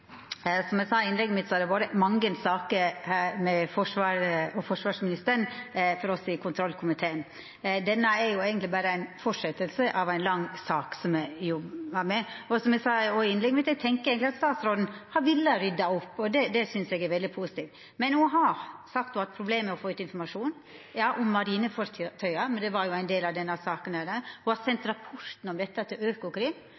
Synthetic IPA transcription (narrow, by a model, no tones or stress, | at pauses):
sɔmɛɡsɑːɪnlɛɡːəmɪt̪sɔɑɾd̪ɛboːd̪əmɑŋːɡənsɑːkəhæɾmɛfɔʂʋɑːɾɔfɔʂʋɑːʂmɪnɪst̪əɾɳfɔɾɔsɪkʰʊnt̪ʰɾɔlkʰʊmɪt̪ʰeːən | d̪ɛnːəɛɾjʊeːɡənt̪lɪbæːɾəæɪnfɔʂɛt̪ːəlsəʔɑʋæɪnlɑŋːsɑːksɔmɛjɔbʋɑmɛɔsɔmɛɡsɑɔɪɪnlɛɡmɛt̪ɛɡ̚t̪ʰɛŋkəeːɡnt̪ɪɑt̪st̪ɑːt̪sɾɔd̪n̩hɑʋɪlːəɾʏd̪ːɑɔpːɔd̪ɛd̪ɛsʏnsɛɡɛɾʋɛld̪ɪpʰusɪ̥t̪iːʋ | mɛnuːɦɑsɑk̚t̪ʊɑt̪̚pʰɾʊbleːmːɛɔfoːʉːt̪ɪnfɔɾmɑʂuːn | jɑːʔɔmːɑɾiːnəfɔɾt̪ʰœʏɑmɛnd̪ɛʋɑɾjʊæɪnd̪eːlɑʋd̪ɛnːɑsɑːkənd̪æːɾd̪æɾhʊhɑsɛnt̪ɾɑpʰɔɾt̪n̩ɔmd̪ɛt̪ːəɑt̪̚d̪ɛøːkʊkʰɾɪːm